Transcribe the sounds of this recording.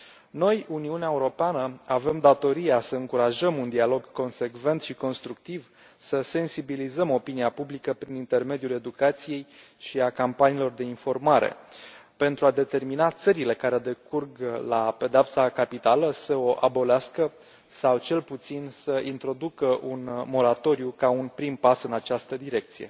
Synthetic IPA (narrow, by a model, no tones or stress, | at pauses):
no̞juniuneaeuɾo̞peanəave̞md̪at̪o̞ɾijasəɨŋkuɾaʒəmund̪ialo̞ɡko̞nse̞kve̞nt̪ʃiko̞nst̪ɾuk̚t̪iv | səse̞nsibilizəmo̞piniapublikəpɾinint̪e̞rme̞d̪jule̞d̪ukat̪sije̞j | ʃiakampaniːlo̞rd̪e̞info̞rmaɾḛpe̞nt̪ɾuad̪e̞t̪e̞rminat̪səɾile̞kaɾe̞d̪e̞kurɡlape̞d̪eapsakapit̪aləsəo̞ʔabo̞leaskə | sawt͡ʃe̞lput̪sinsəint̪ɾo̞d̪ukəʔunmo̞ɾat̪o̞ɾjukaunpɾimpasɨnat͡ʃast̪əd̪iɾe̞k̚t̪sije̞̰